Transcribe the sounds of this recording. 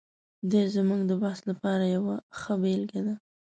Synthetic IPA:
d̪ezmuɡd̪əbahslapɑɾajawaxəbelɡad̪a

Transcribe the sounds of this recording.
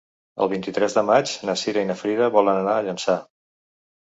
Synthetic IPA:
ə̰lˠβ̞int̪it̪ɾɛzðəmad͡ʒnəsiɾəinəfɾiðəβɔlənənaəʎənsa

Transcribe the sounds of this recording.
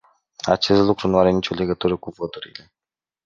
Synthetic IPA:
a̰t͡ʃe̞st̪lukɾunuaɾe̞nit͡ʃʲo̞le̞ɡət̪uɾəkuvot̪uɾile̞

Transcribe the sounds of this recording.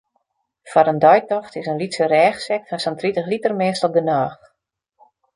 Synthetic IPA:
faɾəndɔjtɔxtɪsənlitsərɛːxsɛk̚fansɔntritəxlitərmɪːstɔp̚dənaːx

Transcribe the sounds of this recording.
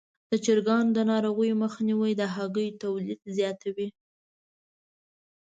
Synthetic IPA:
d̪̥ət͡ʃɪɾɡɑnd̪ənɑɾoɣəjməxniwəjd̪əɦaɡəjt̪awlid̪zjɑt̪awi

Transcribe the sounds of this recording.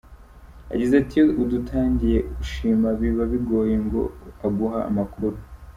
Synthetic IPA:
a̰ɟizatiudutʰaːɲɟije̞ɡuʃiːmaβiβaβiɡo̞ːjeŋɡo̞̰aɡuɦa̰ːmakuɾu

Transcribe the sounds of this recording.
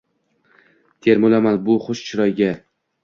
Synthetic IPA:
t̪ʰe̞ɾmolamanbʊχʊʃt͡ʃʰɪɾɒjɡʲa

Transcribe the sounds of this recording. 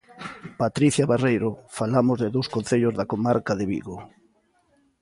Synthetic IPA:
pat̪ɾiθjaβarejɾofalamozðɪðowskõn̟θeʎozðakomaɾkaðɪβḭɣo

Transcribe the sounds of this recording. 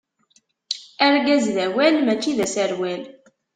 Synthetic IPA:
æɾɡæzðæwælmæt͡ʃːiðæsæɾwæl

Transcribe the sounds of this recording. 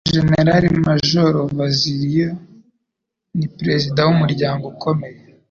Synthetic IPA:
ʒe̞ne̞ɾaɾimaʒoɾovaziɾija | nipɾe̞zidawumuɾɟaːŋɡokʰo̞me̞je

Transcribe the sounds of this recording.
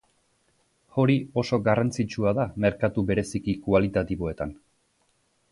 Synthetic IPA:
o̞ɾio̞so̞ɡarant͡sit͡ʃuaðame̞ɾkat̪ube̞ɾe̞sikikualit̪at̪iβo̞e̞t̪an

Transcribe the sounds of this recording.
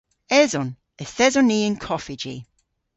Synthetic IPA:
ɛzɔn | ɛθɛzɔniːɪnkʰɔfɪd͡ʒḭ

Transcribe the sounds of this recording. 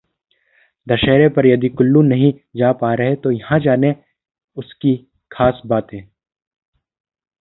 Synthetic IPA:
d̪ɐʃɛːɾepɐɾjɐd̪ikʊlːũnɐɦĩd͡ʒaːpaːɾɐɦet̪ojɐɦãd͡ʒaːne | ʊski | kʰaːsbaːt̪ẽː

